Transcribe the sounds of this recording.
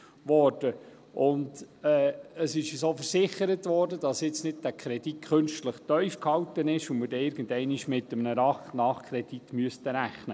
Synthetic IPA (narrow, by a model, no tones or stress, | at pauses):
ʋɔːrd̥ə | ʔʊndɛːəsɪʃəsoːfəɾsɪχəɾətʋɔːrdədɑsjɪt͡snɪd̚d̥ækʰɾɛd̥it̚kʰɵnʃtləχt̪œʏfkhɑwtənɪʃʊmədɛɪɾɡ̥ənd̪ɛɪniʃmɪtːəmnəɾɑχnɑːχkʰɾɛd̥itmyəstəɾæχnə